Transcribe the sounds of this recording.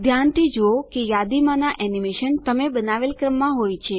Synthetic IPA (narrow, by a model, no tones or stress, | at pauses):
d̪ʱjant̪ʰid͡ʒookejad̪imãnaʔɛnimeʃənt̪əmebənaʋelkɾəmːãɦojt͡ʃʰe